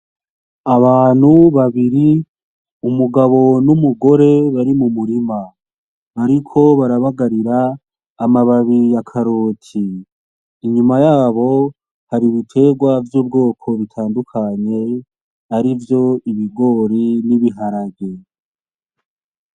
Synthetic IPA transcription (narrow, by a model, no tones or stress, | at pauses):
aβaːn̥huβaβiɾi | umuɡaβo̞numuɡo̞ɾe̞βaɾimumuɾima | aɾikʰo̞βaɾaβaɡaɾiɾaː | maβaβijakʰaɾoːtʰiː | ɲumajaːβo̞ | haɾiβitʰe̞ːɡwavjuːbɡo̞ːkʰo̞βitʰaːndukʰaɲe̞ | aɾivjo̞iβiɡo̞ɾiniβiɦaɾabɡe